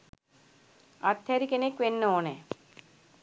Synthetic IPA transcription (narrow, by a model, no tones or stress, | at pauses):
ɐt̪ʰjɐɾikenekʋenːoːne